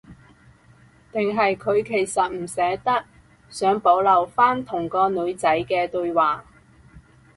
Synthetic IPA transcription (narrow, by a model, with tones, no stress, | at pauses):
t̪ɪ˨ŋɦɐ˨jkʰɵ˨˧ɥkʰe˨˩jsɐ˨t̚m̩˨˩sɛː˨˥t̪ɐ˥k̚ | sœː˨˥ŋpo˨˥wlɐ˨˩wfaː˥nt̪ʰʊ˨˩ŋkɔː˧nɵ˨˧ɥt͡sɐ˨˥jkɛː˧t̪ɵ˧ɥwaː˨˩